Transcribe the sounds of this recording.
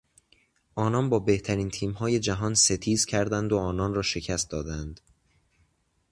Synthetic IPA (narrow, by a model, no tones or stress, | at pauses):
ʔɒːnɒːnbɒːbe̞ht̪ʰæɾiːnt̪ʰiːmhɒːje̞d͡ʒæɦɒːnse̞t̪ʰiːzcʲʰæɾd̪ænd̪oɒːnɒːnrɒːʃe̞cʰæst̪̚d̪ɒːd̪ænd̪̥